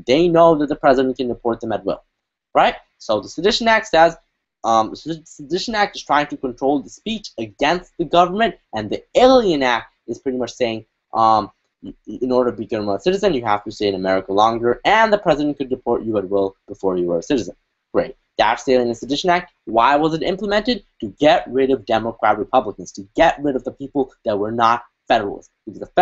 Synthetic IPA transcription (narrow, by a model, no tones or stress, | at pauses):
ðeɪnoʊðɨt̪̚ðəpʰɹ̥ɛzɨɾɨ̃nt̚kʰɨ̃ndɨpʰɔɹt̪̚ðə̃mɨt̚wɪ̰lˠ | ɹaɪt̚ | soʊðəsɨdɪʃɨ̃næk̚tsɛz | ʌ̃ssɨdɪʃɨ̃næk̚tɨz̥tʰɹ̥aɪɪ̃ŋtʰɨkə̃ntʰɹ̥oʊlˠðəspit͡ʃɨɡɛ̃nst̪̚ðɨɡʌvə˞mɨ̃ntɨ̃nðieɪlˠiɨ̃næk̚t | ɨz̥pʰɹ̥ɪɾimʌt͡ʃseɪɪ̃ŋ | ʔʌm | ɨ̃nɔɹɾə˞ɾʰəbiɡʌvnm̩əsɪɾɨzɨ̃njɨɦæftɨsteɪɨ̃nəmɛɹɨkəlɔ̃ŋɡə˞ɨ̃nðəpʰɹ̥ɛzɨɾɨ̃n̚kɨd̚ɹɨpʰɔɹt͡ʃɨət̚wɪlˠb̥əfɔɹjɨwə˞ɨsɪɾɨzə̃n | ɡ̥ɹeɪt̚ðætseɪlˠɪ̃ŋɨsɨdɪʃɨ̃næk̚t̚waɪwʌzɨɾɪ̰̃mpləmɛ̃ntɨd̚tʰɨɡɛʔ̚ɹɪɾʌvdɛməkʰɹ̥æt̚ɹɨpʰʌbləkɨ̃nz̥tʰɨɡɛʔ̚ɹɪɾʌvðəpʰipl̩ˠðət̚wə˞nət̚ | fɛɾə˞l̩ˠz | ɨwʌzəf